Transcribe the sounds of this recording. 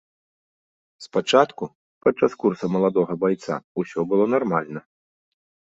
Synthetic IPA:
spat͡ʂat̪ku | pɐt͡ʂːaskursɐmɐlˠad̪ɔɣɐbajt̪sa̰usʲɔbɨlˠɔnarmalʲnɐ

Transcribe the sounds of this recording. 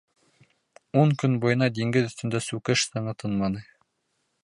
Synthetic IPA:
uŋkɵnbujɤ̆nɑd̪iŋɡɘðɵ̆θt̪ɵ̆nd̪æsʉkɘʃsɤ̆ɴɤt̪ʰɤnmɑnɤ

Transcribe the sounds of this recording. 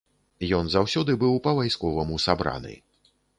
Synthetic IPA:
jɔnzawsʲɔd̪ɨbɨwpɐvajskɔvɐmusabɾa̰nɨ̰

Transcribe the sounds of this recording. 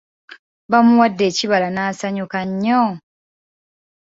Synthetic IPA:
βamuwadːe̞ːciβalanaːsaɲukaɲːo

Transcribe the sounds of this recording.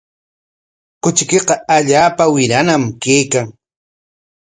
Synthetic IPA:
kʊt͡ʃɪkeqɑaʎaːpawɪɾanamkejkaŋ

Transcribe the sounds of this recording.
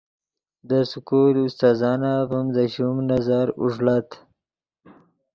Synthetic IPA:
d̪əsukulust̪ɑːzɑnavumd̪əɕumnazaɾṵʐlat̪

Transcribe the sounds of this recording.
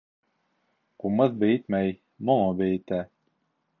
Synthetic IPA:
qumɤðbɘ̆jɘt̪mæj | molɤbɘ̆jɘ̆t̪æ

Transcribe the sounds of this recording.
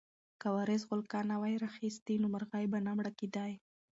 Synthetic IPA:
kawaɾɪzɣʊlkɑnawajɾaxist̪inomaɾɣɑjbanamɽakid̪aj

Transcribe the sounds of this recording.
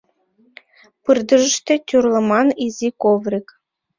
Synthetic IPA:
pɯrd̪ə̆ʒə̆ʃt̪ĕt̪ʲurlˠɤ̆mɑnizʲikovɾik

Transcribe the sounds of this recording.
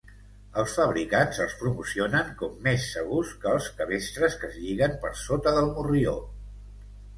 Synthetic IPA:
əlˠsfəβɾikanzəlˠspɾumusionəŋkɔmːesːəɣ̞uskəːlˠskəβ̞est̪ɾəskəzʎiɣ̞əmpəɾsot̪əðəlˠmurio

